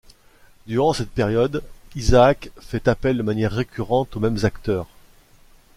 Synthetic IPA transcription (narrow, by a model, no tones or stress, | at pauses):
d̪yʁɑ̃sɛt̪̚peʁjɔd̪izaːkfɛt̪apɛld̪əmanjɛʁːekʲyʁɑ̃t̪omɛmzakt̪œːʁ